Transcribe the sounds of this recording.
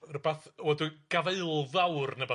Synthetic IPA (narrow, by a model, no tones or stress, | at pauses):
rəbaθwɛduɡ̥aveɨlˠðawrnəbɔ